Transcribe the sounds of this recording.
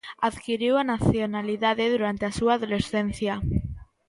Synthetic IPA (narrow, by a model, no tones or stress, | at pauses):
aðkiɾiwanaθjonaliðaðeðuɾant̪easuaːðolesθen̟θja